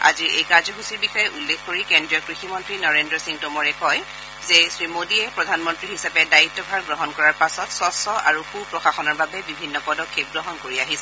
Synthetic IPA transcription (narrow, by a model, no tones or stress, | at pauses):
a̰ziʔejkaɹzɔɦusiɹbixɔjɛʔulːekkoɹikɛndɹijɔkɹiximɔntɹinɔɹendɹɔsĩŋtomɔɹɛkɔj | zɛsɹimodiɛpɹɔdʱanmɔntɹiɦisapɛdaitːɔbʱaɹɡɹɔɦɔnkɔɹaɹpasɔtsɔsɔʔaɹuxupɹɔxaxɔnɔɹbabɛbibʱinːɔpɔdɔkʰːip̚ɡɹɔɦɔnkoɹiaɦisɛ